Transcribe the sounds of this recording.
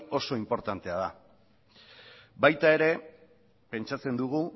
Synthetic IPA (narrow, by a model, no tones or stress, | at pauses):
o̞so̞impo̞ɾt̪ant̪e̞að̞a | bajt̪ae̞ɾe̞ | pe̞nt͡ʃat͡se̞nd̪uɣu